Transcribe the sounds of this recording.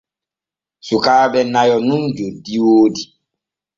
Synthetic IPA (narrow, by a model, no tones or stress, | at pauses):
sukaːɓɛnajɔnund͡ʒodiwoːdi